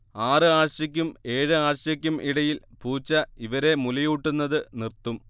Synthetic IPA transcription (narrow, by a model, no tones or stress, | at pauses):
aːrɨaːɕɐk̬ʲːume̞ːɻɨaːrɕɐkʲːumʔiɽɐjilpuːt͡ɕːɐiʋɐɾe̞mulɐjuʈːunːɐðɨnirt̪ːum